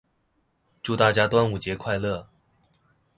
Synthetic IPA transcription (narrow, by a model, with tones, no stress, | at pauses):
ʈ͡ʂu˥˧t̪a˥˩t͡ɕja˥t̪wa˥nu˨˩t͡ɕjɛ˧˥kʰwa˥˧ɪlɤ˥˩